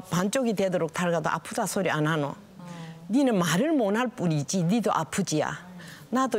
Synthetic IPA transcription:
pant͡ɕ͈oɡidwedoɾok̚tʰaɭɡad̪oʔa̰pʰudasʰoɾianɦano̰ | ninɯnmaɾɯɭmonɦaɭp͈uɾid͡ʑinidoʔapʰud͡ʑia̰nado

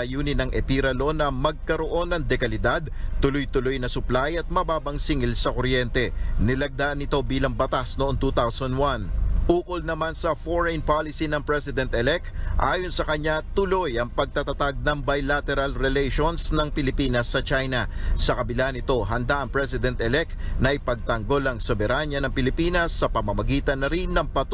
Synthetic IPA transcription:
ɐjuːnɪnɐŋʔɛpiɾɐlo̞nɐmɐɡ̚kɐɾo̞ʔo̞nːɐŋd̪ɛkɐlɪd̪ad̪̚t̪ʊlojt̪ʊlojnɐsʊplajɐt̪̚mɐbaːbɐŋsɪŋɪlsɐkoɾjɛnt̪ɛnɪlɐɡ̚d̪aʔɐnɪt̪o̞biːlɐŋbɐt̪asnoʔoŋt̪uːt̪awsɐnd̪wanʔuːkʊlnɐmansɐfoɹɛnpalɪsinɐŋpɹɛsɪd̪ɛnt̪ʔɛlɛk̚t̪ʔa̰ːjo̞nsɐkɐɲat̪ʊlo̞jʔɐŋpɐɡ̚t̪at̪ɐt̪aɡ̚nɐŋbɐjlat̪ɛɾɐlɾɛlɛjʃonsnɐŋpɪlɪpiːnɐsːɐt͡ʃajnɐsɐkɐbɪlanɪt̪o̞ɦɐnd̪aʔɐŋpɹɛsɪd̪ɛnt̪ɛlɛk̪̚nɐʔjpɐɡ̚t̪ɐŋɡo̞lɐŋsɛbɛɾaɲɐnɐŋpɪlɪpiːnɐsːɐpɐmɐmɐɡiːt̪ɐnːɐɾinːɐŋpɐt̪

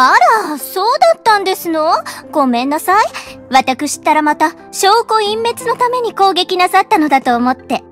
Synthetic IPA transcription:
aɾaso̞ːd̪at̪ːãnd̪e̞sɨno̞ɡ̥o̞mẽ̞nːasaiβat̪akɯ̟ɕi̥t̪ːaɾamat̪a | ɕo̞ːko̞ĩmːe̞t͡sɨno̞t̪ame̞ɲ̟iko̞ːɡe̞kʲinasat̪ːano̞d̪at̪o̞ːmo̞t̪ːe̞

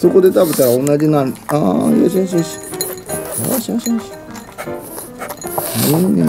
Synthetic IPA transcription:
soko̞d̪e̞t̪abɯt̪aɾaõnːad͡ʑinãnaja̰ɕ̬iaɕ̬iaɕi̥ | ja̰aɕiaɕiaɕi̥ | ene

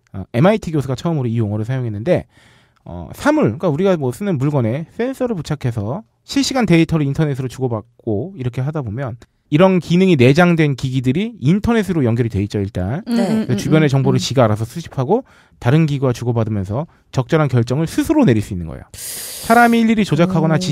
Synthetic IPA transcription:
ʌ̰e̞maitʰiɡjosʰɯɡat͡ɕʰʌɯmɯɾoijoŋʌɾɯɭsʰajoŋɦe̞nːɯnde̞ | ʌ̰sʰamuɭk͈auɾiɡamwʌs͈ɯnɯnbuɭɡwʌne̞sʰe̞ns͈ʰʌɾɯɭput͡ɕʰakʰe̞sʰʌ | ɕʰiɭɕ͈iɡante̞itʰʌɾɯintʰʌne̞sʰɯɾot͡ɕuɡʌbak̚k͈oiɾʌkʰe̞ɦadabomjʌn | iɾʌnkinɯŋine̞d͡ʑaŋdwe̞nkiɡidɯɾiintʰʌne̞sʰɯɾojʌŋɡjʌɾite̞it͡ɕ͈ʌiɭt͈ankɾesʌt͡ɕubjʌne̞t͡ɕʌŋboɾɯɭt͡ɕiɡaaɾasʰʌsʰuɕʰi̥pʰaɡo | taɾɯnɡiɡuwat͡ɕuɡʌbadɯmjʌnsʰʌ | t͡ɕʌk̚t͡ɕ͈ʌɾɦankjʌɭt͡ɕ͈ʌŋɯɭsʰusʰɯɾone̞ɾiɭs͈uinːɯnɡʌ̰ḛjo̰sʰaɾamiːʎːiɾit͡ɕod͡ʑakʰaɡʌnat͡ɕi

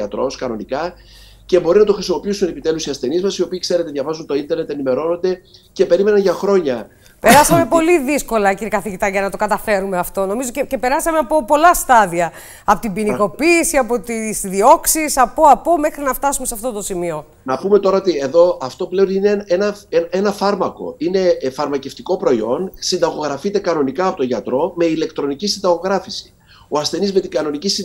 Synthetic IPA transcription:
ɐt̪ɾo̞skɐno̞nikɐ | ce̞bo̞ɾinɐt̪oxɾisimo̞piisune̞pit̪e̞lusiɐst̪e̞nizmɐsio̞piːkse̞ɾe̞t̪eðʝɐvɐzunt̪o̞int̪eɾne̞t̪enime̞ɾo̞no̞nd̪e̞ce̞pe̞ɾime̞nɐnʝɐxɾo̞ɲɐ | peɾɐsɐme̞po̞liðisko̞lɐciɾikɐθiʝit̪ɐʝɐnɐt̪o̞kɐt̪ɐfe̞ɾume̞ɐft̪o̞no̞mizo̞cece̞pe̞ɾɐsɐme̞ɐpo̞po̞lɐst̪ɐðiɐ | ɐpo̞t̪ibiniko̞piːsiɐpo̞t̪isðio̞ksisɐpoɐpome̞xɾinɐft̪ɐsumesɐft̪o̞t̪o̞simio̞ | nɐpume̞t̪o̞ɾɐot̪ie̞ðo̞ɐft̪o̞ple̞onineenɐeenɐfɐɾmɐko̞̰ine̞fɐɾmɐce̞ft̪iko̞pɾo̞io̞nsind̪ɐɣo̞ɣɾɐfit̪e̞kɐno̞nikɐːpot̪o̞ʝɐt̪ɾo̞me̞ile̞kt̪ɾo̞nicisind̪ɐɣo̞ɣɾɐfisi̥ | oɐsθe̞nizme̞t̪iɡɐno̞nicis

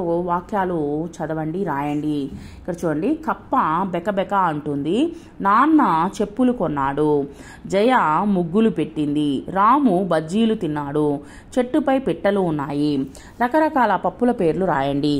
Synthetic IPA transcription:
oʋaːkjaːlut͡ʃɐd̪ɐʋɐɳɖiɾaːjɐɳɖiikːɐɽɐt͡ʃuːɽɐɳɖikɐpːɐbɛkɐbɛkɐɐɳʈund̪i | naːnːɐt͡ʃe̞pːulukɔnːaːɽu | d͡ʒɛjɐmuɡːulupe̞ʈːind̪iɾaːmubɐd͡ʒːiːlut̪inːaːɽu | t͡ʃe̞ʈːupɐjpiʈːɐluːnːaːji | ɾɐkɐɾɐkaːlɐpɐpːulɐpe̞ːɾluɾaːjɐɳɖi

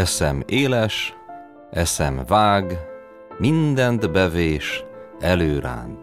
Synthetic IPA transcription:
ɛsɛmeːlɛʃ | ʔɛsɛmvaːɡ | mind̪ɛnt̪bɛveːʃɛløːɾa̰ːnt̪

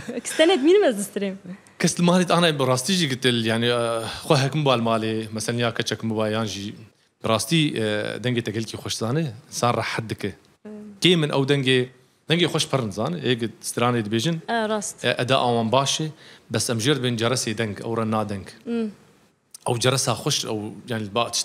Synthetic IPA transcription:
kʰɨ̥st̪ɛned̪miːnɨmɛzd̪ɨst̪ɨɾeːm | kʰɛslɨmɑːleːt̪ɑːnaːbrɑːst̪iːʒiːɡɨt̪ɨljaʕnixʷɛɦɛkmɨbaːlmaːleːmɛsɛlɛnjaːkʰɛt͡ʃɛkmɨbaːjaːnʒiː | bɨrɑːst̪iːd̪ɛŋɡeːt̪ɛɡɛlkiːxʷɐʃzɑːnɨɪnsaːnrɑħat̪̚d̪ɨkɨ | keːmɨnʔɛ̰wd̪ɛŋɡeː | d̪ɛŋɡeːxʷɐʃpʰɨɾɨnzɑːnɨʔeːɡɨ̥st̪ɨɾaːneːd̪ɨbeːʒɪnɾːsʔɛd̪a̰ːʔaːwɑːnbaːʃebɛsɛmʒeːɾd̪bend͡ʒɛɾɐseːd̪ɛŋɡɛ̰wrɑːnaːd̪ɛŋɡ | ʔɛwd͡ʒɛɾɐsaːxʷɐʃʔɛ̰wjaːʕnilbaːt̪ɨ̥ʃt̪

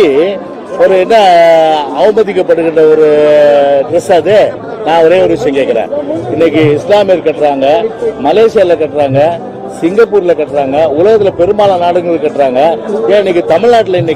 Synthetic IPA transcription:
i | ɔɾɯɛnːɐ | ɐʋɐmɐðɪkːɐpːɐɽɯkːɪɳrɐɔɾɯ | ɖɾɐsaːðe | nãːɔɾeːɔɾɯʋɪt͡ʃːɐjɐ̃ŋkeːkːɪɾḛ̃ːɪnːɛk̬ʲːɯɪslaːmeɾkɐʈːɾaːŋɡɐmɐleːʂɪjaːlɐkːɐʈːɾaːŋɡɐ | sɪŋɡɐpːuːɾɪlɐkːɐʈːɾaːŋɡɐʊlɐɣɐt̪ːɪlɐpɛɾɯmaːlɐ̃naːɽɯŋɡɯðɯkɐʈːɾaːŋɡɐaːɪnːɐkːɯt̪ɐmɪɻnaːʈːɪlɐɪnːɛk

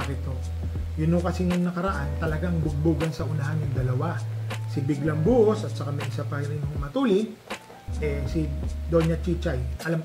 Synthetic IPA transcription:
kɪt̪o | jʊnokɐsiŋɐŋnɐkɐɾɐʔant̪ɐlɐɡaŋbʊɡ̚buːɡɐnsɐʔʊnahanʊŋd̪ɐlɐwasɪbɪɡlɐŋbuʔosɐt̪̚sɐkamɐjʔɪsapɐɾɪnɦoŋmɐt̪uːlɪ | ʔɛsɪd̪oɲɐt͡ʃit͡ʃajʔɐlam

